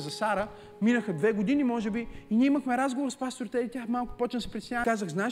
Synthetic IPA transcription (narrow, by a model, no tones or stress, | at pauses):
zɐsaɾə | minəxəd̪vɛɡʊd̪inimɔʒɛbiiniɛiməxmɛɾazɡovoɾspast̪oɾt̪ɛt̪jaxmalˠkʊ̥pɔt͡ʃnəsɛ̥pɾʲit̪snɲʲakazəɣzna